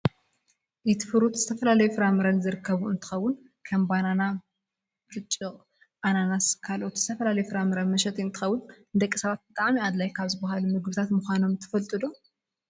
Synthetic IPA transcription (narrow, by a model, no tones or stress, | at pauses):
jɪt̪ʰɨfɨɾut̪zɨt̪ʰɐfɐlalɐjufɨɾamɨɾɐnzɨɾɨkʰːɐβuɨnt̪ʰɨ̥xɐwːʊn | kʰɐmbanana | fɨt͡ʃʼːɨqʼ | ʔananaskʰalʔo̞t̪z̥ɨt̪ʰɐfɐlalɐjufɨɾamɨɾɐmɐʃɛt̪ʰiɨnt̪ʰɨxɐwːʊn | d̪ɐkʼːisɐβat̪̚bɨt̪ʼaʕmiad̪lajkʰaβzɨbahalumɨɡbɨt̪ʰat̪muxʷano̞mt̪ʰɨ̥fɐlt̪ʼɨd̪o